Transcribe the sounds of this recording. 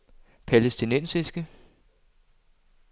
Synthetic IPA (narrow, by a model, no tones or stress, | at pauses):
pʰælesd̥inensisɡ̥ə